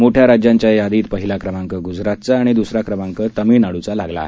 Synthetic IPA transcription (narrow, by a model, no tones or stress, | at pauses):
moʈʰjaɾad͡ʑjãɲt͡ɕjajad̪iːt̪pəɦilakɾəmaŋkəɡud͡zɾat̪t͡saːɽ̃id̪usɾakɾəmãŋkət̪əmiːnaɽut͡salaɡla̰ːɦe